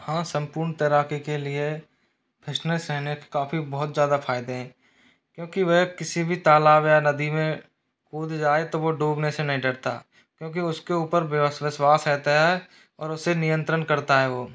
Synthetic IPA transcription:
hãːsə̃mpuːɾɳt̪əɾaːkikelie | bɪsnəsɾɛɦnekkːaːfibɔɦʊt̪zjaːd̪afʰaːɪd̪eɦɛ̃ː | kjõːkiʋɐɦkɪsibʱit̪aːlaːbjanɐd̪imẽ | kuːd̪d͡ʒaːet̪oʋoɖuːbnesenɐɦĩɖɐɽt̪a̰ | kjõːk̬iʊskeuːpəɾʋɪswaːsɛːt̪aɦɛ | ɔːɾʊsenɪjə̃nt̪ɾənkɐɾt̪aɦɛʋoː

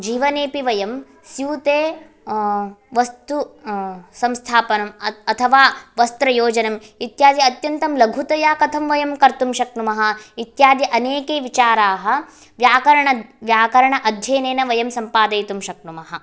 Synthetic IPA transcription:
d͡ʒiːʋɐneːpiʋɐjɐm | sjuːt̪eː | ʋɐst̪u | sɐmst̪ʰaːpɐnɐmɐt̪ʰɐʋaːʋɐst̪ɾɐjoːd͡ʒɐnɐmit̪jaːd̪jɐɐt̪jɐnt̪ɐmlɐɡʱut̪ɐjaːkɐt̪ʰɐmʋɐjɐmkɐɾt̪umʃɐknumɐɦɐ̆it̪jaːd̪jɐʔɐneːkeːʋit͡ʃaːɾaːɦɐ̆ | ʋjaːkɐɾɐɳɐʋjaːkɐɾɐɳɐʔɐd̪ʱjeːneːnɐʋɐjɐmsɐmpaːd̪ɐjt̪umʃɐk̚numɐɦɐ̆

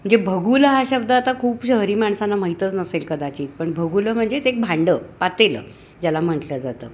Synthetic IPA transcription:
mm̤əɳd͡zebʱəɡuləɦaɕəb̚d̪əːt̪akʰuːpɕəɦɾiːmaɳsanːamaɦit̪ət͡snəselkəd̪at͡ɕiːt̪̚pəɳbʱəɡuləm̤əɳd͡zet̪ek̚bʱãɳɖəːpat̪elə̰ː | d͡ʑalam̤əʈləd͡zat̪ə̰ː

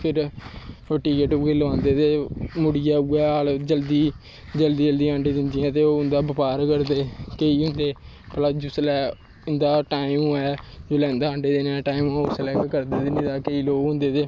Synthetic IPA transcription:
pʰɪɾ | əʈiːkeʈːɡeːləʋãːnd̪eːt̪eːmʊɽɪjaːuɛːaːld͡ʒəld̪iː | d͡ʒəld̪iːd͡ʒəld̪iːãːɳɖeːd̪ɪnd̪ɪjãːt̪eːoːʊnd̪aːbəpaːɾkəɾd̪eːkeiːɦʊ̃nd̪eː | pəlaːd͡ʒʊslɛː | ɪnd̪aːʈaːiɪmːɛːd͡ʒoːlɛ̃ːnd̪aːəɳɖeːd̪enɛ̃ʈaːimʊslɛːkkəɾd̪eːd̪enẽːd̪aːkeiːloːɡɦʊ̃nd̪eːt̪eː

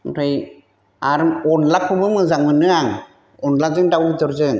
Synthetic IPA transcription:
uɾʰɯj | aɾmɔnlakʰubɯmɯzaŋmɯnɯaŋ | ɔnlazɯŋdawdɔɾzɯŋ

